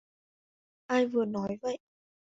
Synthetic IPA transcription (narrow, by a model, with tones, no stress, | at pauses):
ʔaː˧jvɨ˨˩ənɔ˨˦jvə̰˧˨j